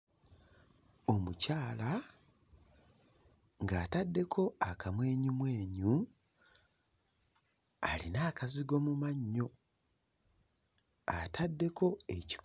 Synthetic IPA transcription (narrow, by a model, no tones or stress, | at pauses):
o̞mucaːla | ŋɡaːtadːe̞kʰo̞akamwe̞ːɲumwe̞ːɲu | a̰linaːkaziɡo̞mumaɲːo̞ | atʰadːe̞kʰo̞e̞ci̥k